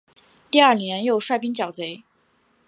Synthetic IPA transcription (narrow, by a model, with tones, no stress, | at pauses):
t̪i˥˧ɐ˞˥˩njɛ˧˥njo˥˧ʊʂwa˥˩ɪpi˥ŋt͡ɕjɑ˨˩ʊt͡se˧˥ɪ